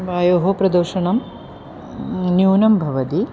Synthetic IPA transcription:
ʋaːjoːɦopɾɐd̪ɐɾʃɐɳɐm | njuːnɐmbʱɐʋɐt̪i

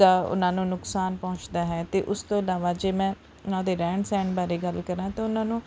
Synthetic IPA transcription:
aːʊ̰nãːnũːnʊksaːnpɔʊ̃t͡ʃd̪aːɦɛːt̪eːʔʊst̪õːɪlaːʋaːd͡ʒeːmɛ̃ː | ʊnãːd̪eːɾɛ̃ːɳɖsɛ̃ːɳɖbaːɾeːɡəlkəɾãːt̪ãːʊnãːnũː

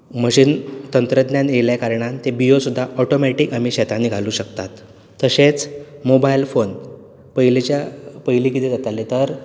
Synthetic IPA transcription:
məɕiːnt̪ənt̪ɾəd̪njaneljakaɾɳant̪ebijosud̪ʱːaʔɔʈomɛʈiːkamiɕɛt̪anːiɡʱaluːɕəkt̪at̪ː | əɕet͡smobailfon | pəilet͡ɕjapəɦiliːkit̪ʰiːd͡zat̪alːet̪əɾ

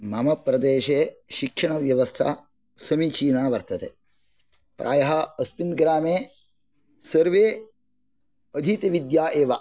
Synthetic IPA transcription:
mɐmɐpɾɐd̪eːʃeːʃikʂɐɳɐʋjɐʋɐst̪ʰa̰ː | sɐmit͡ʃiːnaːʋɐɾt̪ɐt̪ḛ | pɾʔaːjɐɦɐɐspinɡɾaːmeː | sɐɾʋeː | ɐd̪ʱit̪ɐʋid̪jaːʔeːʋɐ

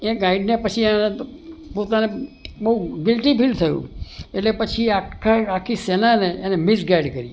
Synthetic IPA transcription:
eɡaiɖnepət͡ʃʰienepot̪anebəɦuɡɪlʈipilt̪ʰəjṵ̃eʈlepət͡ʃʰiakʰaakʰisenaneːnemɪsɡaiɖkəɾḭ

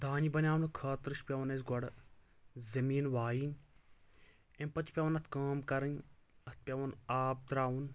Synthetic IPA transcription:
d̪aːnibɐnʲaːwnɨkʰaːt̪ɾɨʃpʲɐʋɐnɐs̬ɡɔɽ | zɐmiːnʋaːjin | empɐt͡ʃʰpʲɐʋɐnɐt̪ʰkaːmkɐɾɨnɐt̪̚ʰpʲɐʋɐnaːb̚d̪ɾaːʋun

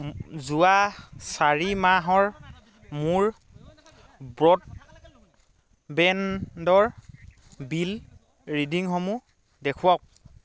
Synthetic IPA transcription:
zuasaɹimaɦɔɹ | muɹ | bɹɔt̚ | bɛndɔɹ | bil | ɹidiŋxɔmu | dɛkʰuwak̚

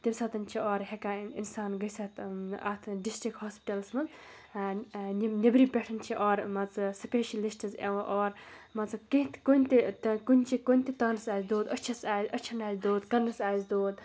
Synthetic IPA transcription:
t̪ibʲsɐt̪ɐnt͡ʃʰiɔːɾɦekaːinsaːnɡɐjsɐt̪a̰t̪ʰɖisʈɾikhaːspiʈɐlsmɐz | nnʲebɾipʲeʈʰɐnt͡ʃʰiʔɔːɾmɐt͡sɨsɐpeːʃilisʈɐzḛʋɐ̃ʔɔːɾmɐt͡sɐkiɦt̪konʲt̪ikunʲt͡ʃʰikonʲt̪it̪ɐːnɐsaːzʲd̪oːd̪ət͡ʃʰɐsaːzʲɐt͡ʃʰɐnaːzd̪oːd̪kɐnːɐsaːzʲd̪oːd̪̚

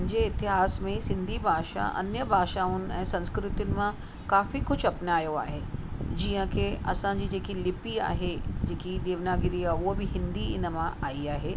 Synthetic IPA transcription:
ɲd͡ʑeɪt̪ɪɦaːsmẽsɪ̃nd̪ʱibʱaːʃa̰ʔɐ̰njəbʱaːʃaːʊnɪ̆ɛ̃ːsɐ̃nskɾɪt̪jʊnɪ̆mã | kaːfikʊd͡ʑʰɐpnaːjoa̰ːɦeːd͡ʑiːə̃kʰeɐ̰sãd͡ʑiːd͡ʑeːkilɪpia̰ːɦed͡ʑeːkid̪eːʋnaːɡɪɾiauobɪɦɪ̃nd̪iɪnə̆mãʔaːiaːɦeː

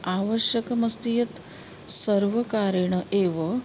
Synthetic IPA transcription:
aːʋəɕjɐkɐmɐst̪ijɐt̪ | sɐɾʋɐkaːɾɐɳɐʔeːʋɐ

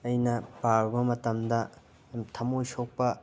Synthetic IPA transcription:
ɐjnɐpaɾbɐmɐtɐmdɐ | mtʰɐmojsok̚pɐ

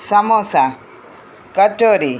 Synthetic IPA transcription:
sɐmosa | kəʈoɾi

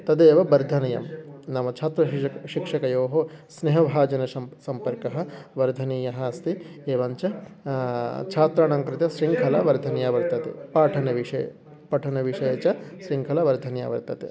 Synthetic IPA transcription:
t̪ɐd̪eːʋɐbɐɾd̪ʱɐnɐjɐ̰mnɐmɐt͡ʃʰaːt̪ɾɐʃikʂɐkɐjoːɦosneɦɐbʱaːd͡ʒɐnɐʃɐsɐmpɐɾkɐɦɐ̆ʋɐɾd̪ʱɐniːjɐɦɐɐst̪ieːʋɐɲt͡ʃɐ | t͡ʃʰaːt̪ɾaːɳaŋkɾɪt̪jɐʃɾiŋkʰɐlɐʋɐɾd̪ʱɐnjaːʋɐɾt̪ɐt̪ḭpaːʈʰɐnɐʋiʂɐjɐ̰ | pɐʈʰɐnɐʋiʂɐjɐt͡ʃɐʃɾiŋkʰɐlɐʋɐɾd̪ʱɐnja̰ːʋɐ̰ɾt̪ɐt̪ḭ

